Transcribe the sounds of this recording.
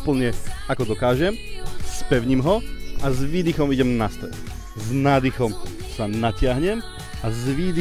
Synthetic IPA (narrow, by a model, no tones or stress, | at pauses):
pl̩ɲɛakɔd̪ɔkaːʒɛmspɛʊɲimɦɔazʋiːd̪ixɔmiɟɛmnast̪ɾɛ̰t̪ | znaːd̪ixɔm | sanacɪaɦɲɛm | azʋiːd̪i